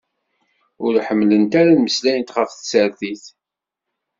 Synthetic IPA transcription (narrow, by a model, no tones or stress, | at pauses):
ʊɾħəmːlənt̪aɾanməslæjənt̪χəfθsəɾθiθ